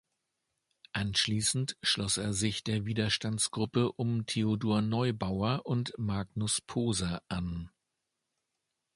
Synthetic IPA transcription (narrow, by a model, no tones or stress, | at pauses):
ʔanʃliːsn̩tʃlɔseːɐzɪçd̥eːɐviːdɐʃtant͡sɡ̥ʁʊpəʔʊmtʰeodoːɐnɔʏbaʊɐʔʊntmaɡnʊspʰoːzɐʔan